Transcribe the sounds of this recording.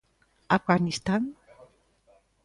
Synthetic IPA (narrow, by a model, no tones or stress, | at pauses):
afɣanist̪an